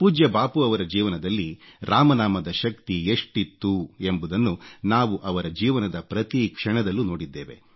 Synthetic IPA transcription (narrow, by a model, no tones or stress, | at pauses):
puːd͡ʒjɐbaːpuɐʋɐɾɐd͡ʒiːʋɐnɐd̪ɐlːiɾaːmɐnaːmɐd̪ɐʃɐk̚t̪ieʂʈit̪ːue̞mbud̪ɐnːunaːʋuʔɐʋɐɾɐd͡ʒiːʋɐnɐd̪ɐpɾɐt̪ikʂɐɳɐd̪ɐlːuno̞ːɽid̪ːeːʋḛ